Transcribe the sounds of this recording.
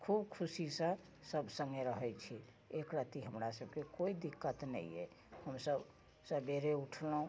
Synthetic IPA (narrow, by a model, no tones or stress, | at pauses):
kʰubkʰusisə̃ | səbʱsəŋɡeɾəɦɛt͡ʃʰi | ekɾət̪iɦəmɾasəbʱkekoid̪ikːət̪nə̰jḛ | həmsəb | sə̃beɾeuʈʰləũ